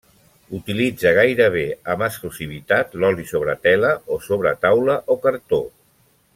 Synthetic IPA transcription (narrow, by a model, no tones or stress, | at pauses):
ut̪ilid͡zəɣ̞ajɾəβ̞eəməsklusiβ̞it̪at̪lɔlisoβ̞ɾət̪ɛləosoβɾət̪awləʔokəɾt̪o